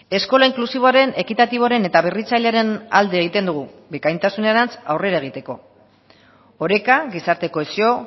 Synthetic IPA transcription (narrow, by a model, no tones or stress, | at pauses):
e̞sko̞laiŋklusiβo̞aɾe̞ne̞kit̪at̪iβ̞o̞aɾe̞ne̞t̪aβerit͡saʎeaɾe̞na̰ld̪eːɣ̞it̪e̞nd̪uɣ̞ubekajnt̪asuneɾant͡sawre̞ɾaeɣ̞it̪e̞ko̞ | oɾe̞kaɣisaɾt̪e̞ko̞esio̞